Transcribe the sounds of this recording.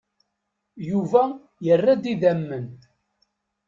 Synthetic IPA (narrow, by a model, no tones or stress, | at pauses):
juvæ | jərːæd̪iðæmːən